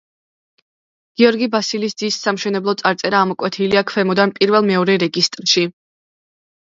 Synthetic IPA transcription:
ɡ̥iɔɾɡibasilisd̪iːsːamʃɛnɛblˠɔt̪sʼaɾt̪sʼɛɾaːmɔkʼwɛt̪ʰiliakʰvɛmɔd̪anpʼiɾvɛlˠmɛɔɾɛɾɛɡist̪ʼɾʃi

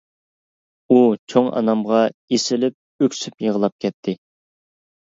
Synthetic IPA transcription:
ut͡ʃʰoŋʔɑ̰nɑmʁɑesɪlɪp̚ | økʲsypjəʁəlˠɑp̚kʲʰɛt̪ʰːɪ

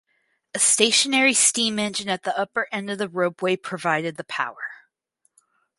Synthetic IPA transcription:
ɨsteɪʃɨnɛɹistĩmɛ̃nd͡ʒɨ̃nɨt̪̚ðiʌpə˞ʔɛ̃ndʌvðɨɹoʊpweɪpʰɹ̥ɨvaɪɾɨd̪̚ðɨpʰa̰ʊə˞

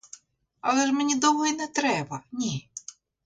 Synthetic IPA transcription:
ɐlˠɛʒmenʲid̪ɔwɔɦinɛt̪ɾɛbɐnʲi

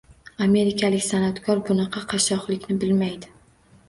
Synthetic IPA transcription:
ame̞ɾɪkʰʲalɪkʲsanat̪kʰɒɾbʊnɑqʰɑqʰɑʃɒqlˠɪkʲnɪbɪlmajd̪ɪ

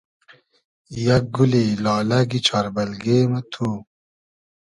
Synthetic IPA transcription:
jak̚ɡulelɑːlɐɡit͡ɕʰɑɾbɐlɡeːmɐt̪ʰu

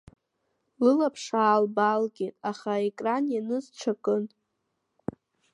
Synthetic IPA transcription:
lɨlapʰʂaːlbalɡʲetʼaχaekʼranjanɨzʈ͡ʂʷʰakʼɨn

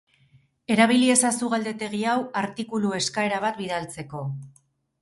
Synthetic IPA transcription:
e̞ɾaβilie̞sasuɣald̪e̞t̪e̞ɣ̞iawaɾt̪ikulue̞skae̞ɾaβ̞at̪biðalt͡se̞ko̞

